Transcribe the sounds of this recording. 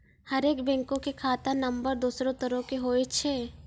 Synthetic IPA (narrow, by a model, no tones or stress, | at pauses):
hɐɾeːkbɛ̃ːŋkõkekʰaːt̪anɐmbəɾd̪uːsɾõt̪əɾõkeɦoːet͡ʃʰeː